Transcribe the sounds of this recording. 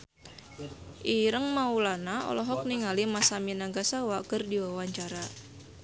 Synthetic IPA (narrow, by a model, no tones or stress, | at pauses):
ʔiɾəŋmaulanaɔ̰lɔɦɔk̚niŋalimasaminaɡasawakərdiwawaɲt͡ʃaɾa